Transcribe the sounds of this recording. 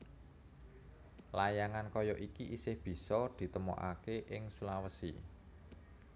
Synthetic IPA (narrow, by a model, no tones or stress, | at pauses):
lajaŋankɔjɔʔikiʔisɪhb̥i̤sɔd̪̥i̤t̪əmo̰ʔa̰keʔɪŋsulawəsḭ